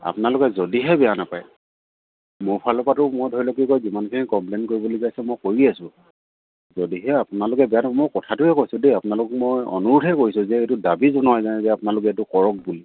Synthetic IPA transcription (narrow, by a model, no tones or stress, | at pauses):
a̰pʊnalʊkɛzodiɦɛbɛjanapaj | mʊɹpʰalɔpatʊmodʱɔjlɔk̬ikojzimankʰinikɔmplenkoɹibolikajsɛmojkoɹiasʊ̃ | zodiɦɛapʊnalʊkɛbɛjanapamojkɔtʰatʊɛkojsʊ̃deapʊnalʊk̚mojɔ̰nuɹutʰɛkoɹisʊ̃zɛetʊdabizɔnɦajzanɛzɛapʊnalʊkɛɛtʊkɔɹɔk̚buli